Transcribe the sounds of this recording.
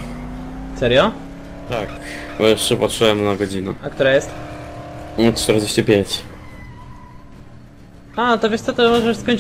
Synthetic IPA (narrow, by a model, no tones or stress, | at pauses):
sɛɾjɔ | t̪akbɔjɛʂt͡ʂɛpatʂɛwɛmnaɡɔd͡ʑinɛakt̪uɾajɛst̪ | tt̪ɛɾd͡ʑeɕt͡ɕipʲjeɲt͡ɕ | at̪ɔvʲjɛst̪ɔt̪ɨmɔʐɛʂskɔɲʲ